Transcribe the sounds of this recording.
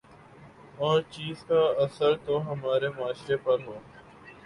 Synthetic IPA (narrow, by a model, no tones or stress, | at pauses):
ɔːɾt͡ʃiːzkaəsəɾt̪oɦəmaːɾemʊaːʃɾepɐɾɦoː